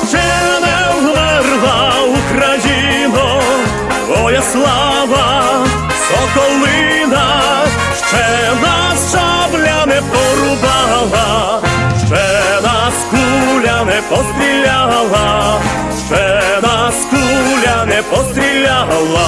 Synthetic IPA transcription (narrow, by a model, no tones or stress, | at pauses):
t͡ʃɛ | nɛɣmɛrlˠaukɾaji | nɔ | vɔjaslˠa | ʋɐ | sɔkɔlˠɪ | na | ʂt͡ʃɛ | nasʂablʲanɛpɔɾubaɦlˠaʂt͡ʃɛnaskulʲanɛpɔst̪ɾʲilʲaɦlˠa | ʂt͡ʃɛnaskulʲanɛpɔst̪ɾʲilʲaɦlˠa